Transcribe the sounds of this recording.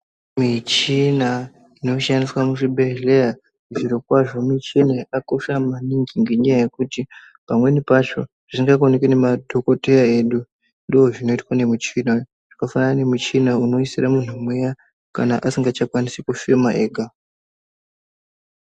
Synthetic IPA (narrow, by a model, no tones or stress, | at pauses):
mit͡ʃina | ino̞ʃandiswamuʐiɓe̞ɮe̞ja | ʐiɾokwaʐo̞mit͡ʃeneako̞ʃamaniŋɡiŋɡeɲajaje̞kuti | pamwe̞nipat͡ʃo̞̰ | ʐ̥iŋɡakonekwine̞madʱoko̞te̞jae̞ɗu | ndooʐino̞itwane̞mut͡ʃina | ʐ̥ikafanane̞mut͡ʃinauno̞isiramun̤umweja | kanaʔasiŋɡat͡ʃakwanisikufemaʔe̞ːɡʱa